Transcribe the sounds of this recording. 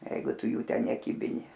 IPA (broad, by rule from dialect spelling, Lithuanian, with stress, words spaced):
ˈjɛɪɡʊ ˈtʊ ˈjuː ˈtʲɛn nʲɛˈkʲiːbʲɪnʲɪ